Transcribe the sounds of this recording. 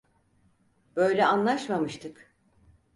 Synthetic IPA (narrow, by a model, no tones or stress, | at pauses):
b̥ø̞jlʲɛanlˠaʃmamɯʃt̪ʰɯk